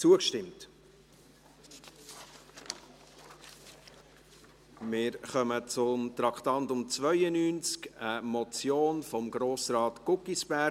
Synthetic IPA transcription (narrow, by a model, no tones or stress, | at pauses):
t͡suəkʃtɪmt | mɪːɾχœmət͡sʊmt̪ɾɑkχtɑntʊmt͡svœʏənyːnt͡skəmɔt͡sjoːnfɔmɡɾoːsɾɑːtkʊkisb̥æ